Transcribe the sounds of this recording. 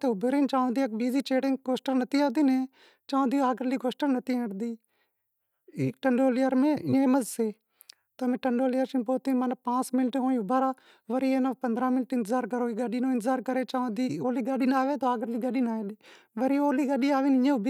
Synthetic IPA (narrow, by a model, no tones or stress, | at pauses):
t̪eːʊbɾeːnt͡ʃãːnd̪iːək̚biːziːt͡ʃeːʈɪŋkoːsʈəɾnət̪iːaːd̪iːnẽː | t͡ʃaːõːd̪iːaːɡəɾliːkoːsʈəɾnət̪ʰiːẽːɽd̪iː | iːkʈəɳɖoːlɪjəɾmẽːɪẽːməzseː | t̪əmẽːʈəɳɖoːlɪjəɾsinpoːt̪iːmənpãːsmɪnʈɦõːĩːʊbaɾaː | ʋəɾiːeːnapənd̪ɾãːmɪnʈɪ̃nt̪əzaːɾkəɾoːiːɡəɗiːnoːɪnt̪əzaːɾkəɾeːt͡ʃãːd̪iːoːliːɡaɗiːnaːʋeːt̪oːaːɡəɾliːɡəɗiːnaːẽːɗiː | ʋəɾiːoːliːɡaɗiːaːʋeːnɪẽːʊbʱi